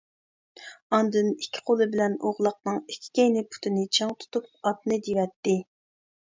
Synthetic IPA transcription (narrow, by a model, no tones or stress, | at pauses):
ɑnd̪ɨnikʲʰːɪ̥qʰolˠɨbɪlɛnoʁlˠəq̚nɨŋikʲʰːi̥kʲejnɪpʰu̥t̪ʰɪnɪt͡ʃʰɑŋt̪ʰu̥t̪up̚ɑt̪̚nɨd̪iwɛt̪ːɪ